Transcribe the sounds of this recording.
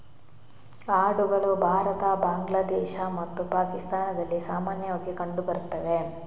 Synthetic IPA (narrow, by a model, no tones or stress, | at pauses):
aːɽuɡɐɭubʱaːɾɐt̪ɐbaːŋɡlaːd̪ɛːʃamɐt̪ːupaːkist̪aːnɐd̪ɐlːisaːmaːnjɐʋaːɡekɐɳɖubɐɾut̪ːɐʋe